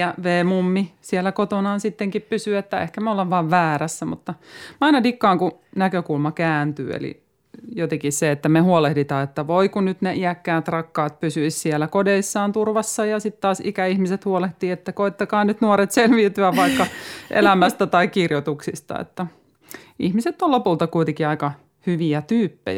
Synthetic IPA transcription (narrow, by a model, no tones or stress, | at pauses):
jɑʋeːmumːisielːækot̪onɑnsit̪ːeŋkippysyet̪ːæḛhkæmeolːɑʋʋɑːʋʋæːræsːæmut̪ːɑmɑinɑdikːɑːŋkunækøkulmɑkæːnt̪y̰ːḛlḭ | jot̪ekisseet̪ːæmehuolehdit̪ɑːet̪ːæʋoikunyt̪neʔiækːæːt̪rɑkːɑːt̪̚pysyissielækodeisːɑːnt̪urʋɑsːɑjɑsit̪tɑːsikæihmiset̪huoleht̪iːet̪ːækoit̪ːɑkɑːnyt̪nuoɾet̪selʋiːt̪yæʋɑikːɑʔḛlæmæst̪æt̪ɑikkirjot̪uksist̪ɑ̰ḛt̪ːæ | ihmiset̪ːolopult̪ɑkuit̪ekiɑikɑ | hyʋiæt̪yːpːḛj